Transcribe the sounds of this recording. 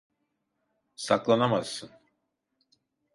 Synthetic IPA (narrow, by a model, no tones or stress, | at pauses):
saklˠanamasːɯn